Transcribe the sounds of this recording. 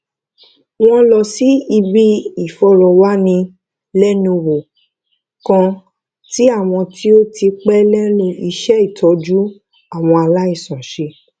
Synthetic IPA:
w̃ɔ̃˧lɔ˧˨si˦i˧bi˦i˦˨fɔ˧˦ɾɔ˨wa˦nĩ˧ | lɛ˦nũ˧wo˨ | kã˧ | ti˦a˦˨w̃ɔ̃˧ti˦o˦ti˧k͡pɛ˦lɛ˦nũ˧i˧ʃɛ˦i˦˨tʰɔ˨˦d͡ʒu˦ | a˦˨w̃ɔ̃˧a˧la˦i˦˨sɔ̃˨ʃe˧

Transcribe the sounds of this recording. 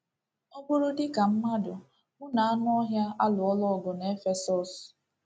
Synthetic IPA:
o˦bʊ˦ɾʊ˦dɪ˦ka˨m̩˦ma˦dʊ˨ | mʊ˦na˨a˦nʊ˦ɔ˦ɦja˦a˦lʊ˨ɔ˦lɔ˦˨ɡʊ˨ne˦fe˦sɔ˨s

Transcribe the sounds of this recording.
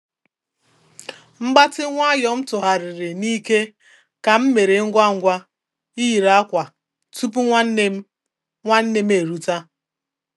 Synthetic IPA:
m̩˦ɡ͡ba˦tɪ˦ŋʷa˦jɔ˦m̩˦tʊ˨ɦa˨ɾɪ˨ɾɪ˨ni˦ke˦ | ka˨m̩˦me˨ɾe˨ŋ̩˦ɡʷa˦ŋ̩˦ɡʷa˦ | i˦ji˨ɾa˦kʷa˨ | tu˦pu˦ŋʷa˦n˦e˦m˦ | ŋʷa˦n̩˦ne˦m̩˦e˨ɾu˦ta˦

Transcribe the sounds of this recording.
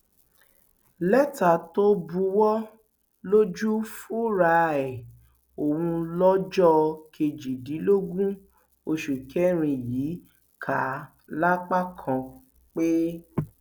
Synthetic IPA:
lɛ˦ta˨to˦bu˧wɔ˦ | lo˦d͡ʒu˦fu˦ɾa˧ɛ˨ | o˨wũ˧lɔ˦d͡ʒɔ˦kʰe˧d͡ʒi˨di˨˦lo˦ɡũ˦ | o˧ʃu˨kʰɛ˦ɾ̃ĩ˧ji˨˦ | kʰa˨˦ | la˦k͡pa˦kʰã˧ | k͡pe˦

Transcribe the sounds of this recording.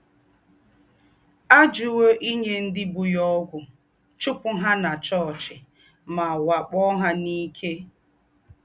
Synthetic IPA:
a˦d͡ʒʊ˦wo˦ʔi˦ɲe˦n̩˦dɪ˦bʊ˨jɔ˦ɡʷʊ˨ | t͡ʃʊ˦pʊ˦ɦa˦na˨t͡ʃɔ˦˨t͡ʃɪ˨ | ma˨wa˨k͡pɔ˦ɦa˦ni˦kʰe˦

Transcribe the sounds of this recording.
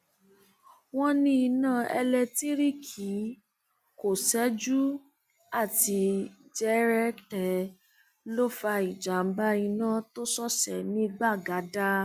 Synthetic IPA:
w̃ɔ̃˦nĩ˧i˧nãː˦˨ɛ̰˧lɛ˧ti˦ɾi˦˨kʰi˨˦ | ko˦˨sɛ˨˦d͡ʒu˦ | a˦˨ti˧d͡ʒɛ˦ɾɛ˦ktɛ˨ | lo˦fa˧i˨d͡ʒa˨m̩˦ba˦i˧nã˦to˦sɔ˦˨sɛ˨nĩ˦˧ɡ͡ba˦˨ɡa˨˦da˦

